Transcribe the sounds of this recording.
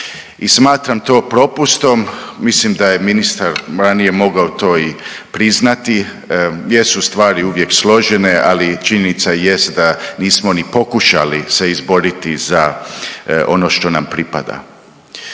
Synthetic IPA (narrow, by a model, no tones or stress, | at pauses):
ismaːt̪ɾamt̪o̞ːpɾo̞pust̪o̞mːislimd̪aje̞minist̪aɾɾanije̞mo̞ɡaot̪o̞ːi | pɾiznat̪i | jesust̪ʋaːɾiuʋje̞kslˠo̞ʒenealit͡ʃiɲenit̪saje̞st̪d̪aniːsmo̞nipo̞kuʃa̰lise̞izbo̞ɾit̪iza | ʔo̞no̞ʃt̪o̞nampɾipa̰d̪a̰